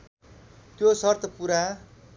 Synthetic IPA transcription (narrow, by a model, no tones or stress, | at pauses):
t̪josʌrt̪ʰʌpuɾa